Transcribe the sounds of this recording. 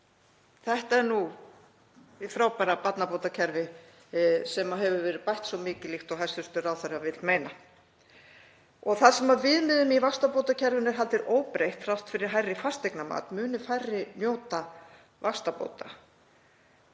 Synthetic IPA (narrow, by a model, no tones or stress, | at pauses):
θɛht̪aɛɾnu | vɪfɾawpaːɾapat̪napowt̪acʰɛɾvɪ | sɛmaɦɛvʏvɛːɾɪpajht̪svɔmɪːcɪlixt̪ɔɣɦajsʏst̪ʏɾawθaɾavɪt̪lmejna | ɔɣθaðsɛmavɪðmɪðʏmivast̪apowt̪acʰɛɾvʏnɛɾ̥ɦalt̪ɪɾʔoːwpɾejht̪r̥awht̪fɪɾɪɾ̥ɦajrːɪfast̪ejknama̰ːt̪mʏːnʏfajrːɪnjoːwt̪a | vast̪apo̰ːwt̪a̰